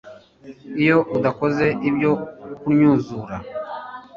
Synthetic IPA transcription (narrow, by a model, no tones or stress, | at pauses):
ijo̞udako̞ze̞ʔibjo̞kuɾɲuːzuɾa